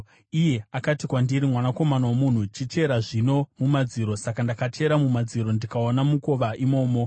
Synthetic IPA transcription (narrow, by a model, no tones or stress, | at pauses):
ije̞akatikwandiɾimwanako̞manawamun̤ut͡ʃit͡ʃe̞ɾaʐino̞mumad͡ziɾo̞sakandakat͡ʃe̞ɾamumad͡ziɾo̞ndikaonamuko̞ʋaʔimo̞ːmo̞